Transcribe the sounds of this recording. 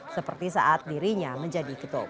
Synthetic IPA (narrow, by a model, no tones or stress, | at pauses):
səpərt̪isa̰ʔat̪̚diɾiɲaməɲd͡ʒadikət̪o̰